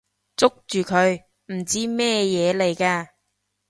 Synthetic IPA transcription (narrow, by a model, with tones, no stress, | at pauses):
t͡sʊ˥k̚t͡ʃyː˨kʰɵ˨˧ɥ | m̩˨˩t͡siː˥mɛː˥jɛː˨˧le˨˩jkaː˧